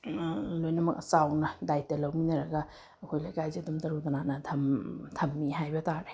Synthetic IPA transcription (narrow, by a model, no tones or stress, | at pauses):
lojnɐmɐk̚sawnɐdajtɐlɐwminɐɾɐɡɐ | ɐkʰojlajkajziɐdumtɐɾut̪ɐnanɐtʰɐmtʰɐmːiɦajbɐtʰaɾe